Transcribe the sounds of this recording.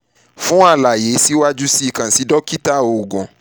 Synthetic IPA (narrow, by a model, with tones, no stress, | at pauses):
fũ˦a˦˧˨la˨je˨˦si˦wa˦d͡ʒu˦si˦˨kã˨si˨˦dɔ˦ki˦ta˦˨o˨ɡɔ̃˨